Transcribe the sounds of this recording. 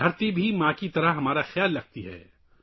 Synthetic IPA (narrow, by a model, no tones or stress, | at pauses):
ɐɾt̪ibʱimãːkit̪ɐɾəɦɦɐmaːɾaxjaːlːɐɡ̚t̪iɦɛ̰ː